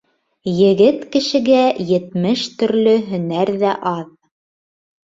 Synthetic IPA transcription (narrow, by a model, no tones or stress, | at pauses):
jɘ̆ɡɘt̪kɘ̆ʃɘ̆ɡæjɘ̆t̪mɘʃt̪ɵ̆ɾlɵɦɵ̆næɾðæʔɑð